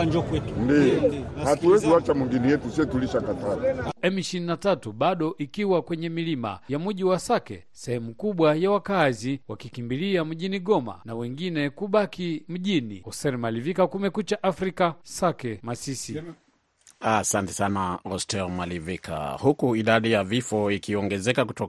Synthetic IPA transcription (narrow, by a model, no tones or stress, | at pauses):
and͡ʒɔkwɛtundiɔhatuwɛziwat͡ʃamwiŋɡinijɛtusiɛtuliʃakataɾiɛmiʃiinatatuɓaɗɔʔikiwakwɛɲɛmilima̰jamuʄiwasakɛ̰ | sɛhɛmukuɓwajawakaziwakikimbiliam̩ʄiniɠɔma̰nawɛŋɡinɛkuɓakim̩ʄinḭɔstɛlmalivikakumɛkut͡ʃaʔafɾikasakɛmasisi | asantɛ̥sanaɔstɛlmalivikʰa̰hukuiɗaɗijavifɔikiɔŋɡɛzɛkakutɔ